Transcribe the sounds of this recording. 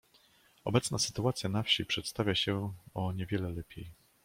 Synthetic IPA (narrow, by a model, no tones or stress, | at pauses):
ɔbɛt̪snasɘ̥t̪uat̪sʲjanafɕipʂɛt̪st̪avʲjaɕɛɔɲɛvʲjɛlɛlɛpʲjej